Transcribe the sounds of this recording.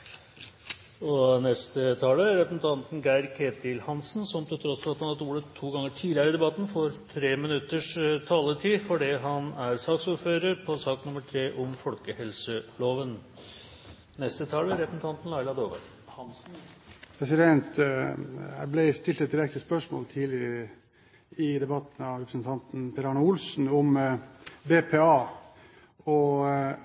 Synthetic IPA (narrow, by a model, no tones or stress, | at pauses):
ɔnɛst̪ət̪ʰɑːləɾɛpɾəsn̩t̪ʰɑnt̪n̩ɡæɪɾkʰeːt̪ɪlhɑnsnsɔmt̪ʰɪlt̪ʰɾɔsflɑt̪hɑnhɑt̪uːɖət̪ʰːuːɡɑŋːəʈʰiːd̪ɪəɾəɪd̪ɛbɑt̪ːn̩fɔɾt̪ʰɾeːmɪnʉt̪ːəʂt̪ʰɑːlət̪ʰiːfɔɖiːɦɑnæɾsɑːksuːɾføːɾəɾpʰɔsɑːknʊməʈʰɾeːʔʊmfɔlkəhɛlsəloːʋən | nɛst̪ət̪ʰɑːləɾɛpɾəsn̩t̪ɑnt̪n̩lɑɪlɑd̪oːʋə̰ɾ | pʰɾɛsɪd̪ɛnt̪ | æblɛst̪ɪlt̪ɛt̪̚d̪ɪɾɛk̚t̪əspœʂmo̰ːlt̪ʰiːlɪəɾə | ɪd̪ɛbɑt̪n̩ɑʋɾɛpɾəsn̩t̪ʰɑnt̪n̩pʰɛɾɑːnɑʊlsn̩ɔm | beːpʰeːɑː | ɔ